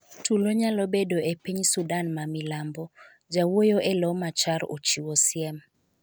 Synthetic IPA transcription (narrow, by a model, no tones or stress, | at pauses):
tʰuloɲalɔbedoepiɲsudanmamilambɔ | d͡ʒawojoʔelɔmat͡ʃaɾo̰t͡ʃiwosɪɛm